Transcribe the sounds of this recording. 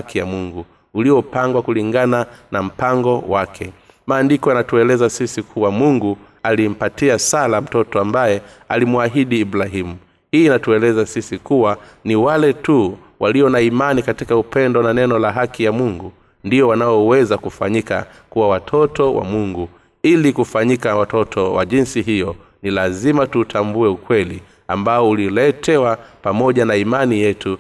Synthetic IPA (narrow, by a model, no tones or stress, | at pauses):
hakijamuŋɡu | uliɔpaŋɡwakuliŋɡananam̩paŋɡɔwakʰɛ | maːndikɔjanatuɛlɛzasisikʰuwamuŋɡu | alim̩patiasalam̩tɔtɔambajɛ | alimuaɦiɗiːbɾaɦimu | hiːnatuɛlɛzasisikuwa | niwalɛtu | wʔaliɔnaimanikatikaupɛndɔnanɛnɔlaɦakijamuŋɡu | ndijɔwanaɔwɛzakufaɲika̰ | kuwawatʰɔtɔwa̰muŋɡu | ilikufaɲikawatɔtʰɔwa̰ʄinsiɦijɔ | nilazimatutʰambuɛukwɛli | ambaɔulilɛtʰɛwapamɔʄanaimanijɛtu